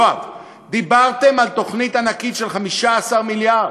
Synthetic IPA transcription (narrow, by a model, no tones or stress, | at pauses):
at | d̪ibaʁt̪e̞malt̪o̞χnit̪anakit̪ʃelχamiʃaːsaʁmilja